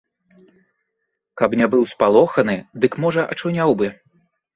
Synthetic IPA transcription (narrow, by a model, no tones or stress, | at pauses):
kɐpnʲɛbɨwspalˠɔxɐnɨd̪ɨkmɔʐɐʔɐ̰t͡ʂunʲawbɨ